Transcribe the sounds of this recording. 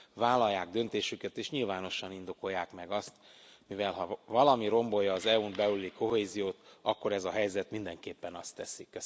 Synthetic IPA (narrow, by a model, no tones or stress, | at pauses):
vaːlːɒjːaːɡ̚d̪ø̞nt̪eːʃykɛt̪eːʃɲilvaːno̞ʃɒnind̪o̞ko̞jːaːkmɛɡɒst̪mivɛlɦɒvɒlɒmiɾo̞mbo̞jɒːzɛunbɛulːiko̞ɦeːzijoːt̪ɒkːo̞ɾɛzɒɦɛjzɛt̪mind̪ɛŋkeːpːɛnɒst̪ːɛsikːø